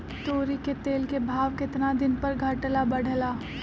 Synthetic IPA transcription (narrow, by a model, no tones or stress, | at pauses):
t̪oːɾiket̪eːlkebʱaːʋkɪt̪nad̪ɪnpɐɾɡʱɐʈlabɐɽ̤ʱlaː